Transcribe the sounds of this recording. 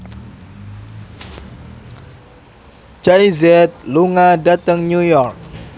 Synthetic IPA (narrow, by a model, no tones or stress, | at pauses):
d͡ʒaizɛt̪̚luŋadat̪əŋɲujɔrk̚